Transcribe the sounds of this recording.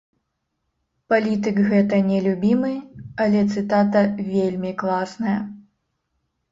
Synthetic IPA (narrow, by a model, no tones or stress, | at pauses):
palʲit̪̬ɨkɣɛt̪ɐnʲɛlʲubʲimɨɐlʲɛt̪sɨt̪at̪ɐvʲelʲmʲiklˠasnɐjɐ